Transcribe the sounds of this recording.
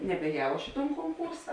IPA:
nʲɛbʲɛːˈjɛʊ ˈɐʃ ɪ toːn koːŋˈkuːrsɐ

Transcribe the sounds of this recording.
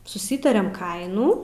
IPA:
sʊˈsʲiːtɐrʲɛm ˈkɐɪnuː

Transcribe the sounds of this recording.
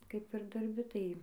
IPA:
ˈkɐɪp ɪr dɐrʲˈbʲɪ tɐɪ

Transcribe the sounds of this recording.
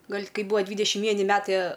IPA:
ˈɡɐlʲ ˈkɐɪ ˈbuːʋɐ ˈdʲʋʲiːdʲɛʃʲɪm ˈʋʲiɛnʲɪ ˈmʲæːtɐɪ

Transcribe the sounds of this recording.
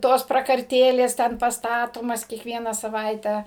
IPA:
ˈtoːs prɐkɐrʲˈtʲeːlʲeːs ˈtʲɛn pɐstɐˈtoːmɐs kʲiɛkˈʋʲiɛnɐ sɐˈʋɐɪtʲɛ

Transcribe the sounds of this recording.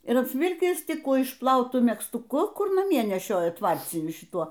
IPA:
ɪr ɐpʲsʲˈʋʲɪlʲkʲɪs ˈtʲɪk ˈkuː ɪʃpˈlˠɐʊtʊ mʲɛkstʊˈkʊ ˈkʊr nɐˈmʲiɛ nʲɛˈʃʲoːjɛ ˈtʋɐrʲt͡sʲɪnʲʊ ʃʲɪˈtuɔ

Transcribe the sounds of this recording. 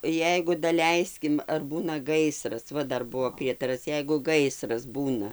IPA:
ˈjɛɪɡʊ dɐˈlʲɛɪsʲkʲɪm ɐr ˈbuːnɐ ˈɡɐɪsrɐs ˈʋɐ ˈdɐr ˈbʊʋoː ˈpʲrʲiɛtɐrɐs ˈjɛɪɡʊ ˈɡɐɪsrɐs ˈbuːnɐ

